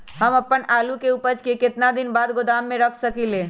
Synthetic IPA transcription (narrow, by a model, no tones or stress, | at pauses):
ɦəməpːənaːlukeupəɾt͡ʃkekɪt̪nad̪ɪnbaːd̪ɡod̪aːmːẽɾəkʰsəkileː